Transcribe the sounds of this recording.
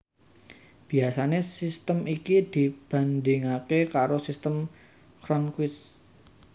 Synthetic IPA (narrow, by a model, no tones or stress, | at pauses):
b̥i̤asanesist̪əmikid̪̥i̤b̥a̤nd̪ɪŋakekaɾosist̪əm | kɾɔnkwɪs